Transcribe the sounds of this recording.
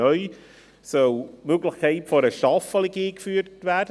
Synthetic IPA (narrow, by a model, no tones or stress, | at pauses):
œʏ | sœlmøɡlɪχkʰaɪtfɔɾəʃɑfɑliɡiːkfyːtvæd